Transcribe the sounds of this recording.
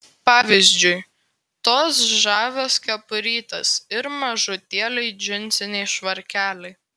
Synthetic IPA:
pɑːʋʲɪzʲd͡ʒʲʊɪ | t̪oːsʒɑːʋʲoːskʲɛpʊɾʲiːt̪ɐsɪɾmɐʒʊt̪ʲiɛlʲɛɪd͡ʒʲɪnʲˑt̪sʲɪnʲɛɪʃʋɐɾʲkʲæːlʲɛɪ

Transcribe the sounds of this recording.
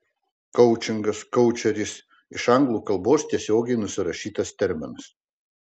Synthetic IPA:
kɔʊt͡ʃʲɪŋɡɐskɔʊt͡ʃʲɛɾʲɪs | ɪʃɐŋɡlˠuːkɐlˠˑboːst̪ʲiɛsʲoːɡʲɛɪnʊsʲɪɾɐʃʲiːt̪ɐst̪ʲɛɾʲmʲɪnɐs

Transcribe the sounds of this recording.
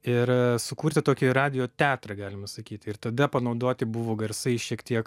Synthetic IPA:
ɪɾsʊkuːɾʲt̪ʲɪt̪oːkʲɪɾɑːd̪ʲɪjoːt̪ʲæːt̪ɾɐɡɑːlʲɪmɐsɐkʲiːt̪ʲɪrt̪ɐd̪ɐpɐnɐʊd̪oːt̪ʲɪbʊʋoːɡɐrsɐɪʃʲiɛkt̪ʲiɛk

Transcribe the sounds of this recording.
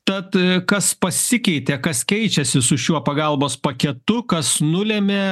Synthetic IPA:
t̪ɐt̪kɐspɐsʲɪkʲɛɪt̪ʲekɐskʲɛɪt͡ʃʲɛsʲɪsʊʃʲuɔpɐɡɐlˠboːspɐkʲɛt̪ʊkɐsnʊlʲɛmʲe

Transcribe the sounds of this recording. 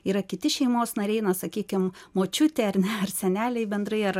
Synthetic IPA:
iːɾɐkʲɪt̪ʲɪʃʲɛɪmoːsnɐɾʲɛɪnɐsɐkʲiːkʲɪmmoːt͡ʃʲʊt̪ʲeːɐɾnʲɛɐrsʲɛnʲæːlʲɛɪbʲɛnd̪ɾɐɪɐɾ

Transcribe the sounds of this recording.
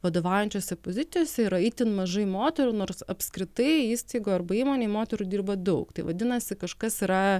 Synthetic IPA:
ʋɐd̪oːʋɑʊjɛnʲt͡ʃʲoːsʲɛpozʲɪt̪sʲɪjoːsʲɛiɾɐit̪ʲɪnmɐʒɐɪmoːt̪ʲɛɾuːnoːɾsɐpʲskɾʲɪt̪ɐɪiːst̪ɐɪɡoːɐrbɐiːmoːnʲeːmoːt̪ʲɛɾuːd̪ʲiːrbɐd̪ɐʊkt̪ɐɪʋɐd̪ʲɪnɐsʲɪkɐʃkɐsɪɾɐ

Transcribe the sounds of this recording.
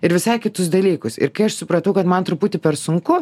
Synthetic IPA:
ɪɾʋʲɪsɐɪkʲɪt̪ʊsd̪ɐlʲiːkʊsɪ̰ɾkɐɪɐʃsʊpɾɐt̪ɐʊkɐt̪mɐnt̪ɾʊpuːt̪ʲɪpʲɛɾsʊŋkʊ

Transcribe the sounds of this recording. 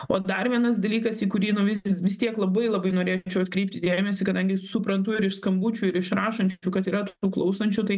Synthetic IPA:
oːd̪ɐɾʋʲiɛnɐsd̪ɐlʲiːkɐsiːkʊɾʲiːnʊʋʲɪʋʲɪst̪ʲiɛklˠɐbɐɪlˠɐbɐɪnoːɾʲeːt͡ʃʲɛʊɐt̪kɾʲɛɪp̚t̪ʲɪd̪ʲeːmʲɛsʲɪkɐd̪ɐŋʲɡʲɪsʊpɾɐnt̪ʊɪɾɪʃskɐmbut͡ʃʲuːɪɾɪʃɾɑːʃɐnʲt͡ʃʲuːkɐt̪iːɾɐt̪uːklˠɐʊsɐnʲt͡ʃʲut̪ɐɪ

